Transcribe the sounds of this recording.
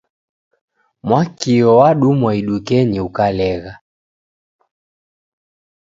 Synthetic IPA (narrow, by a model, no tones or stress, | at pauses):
mwakiɔwaɗumwaiɗukɛɲiukalɛɣa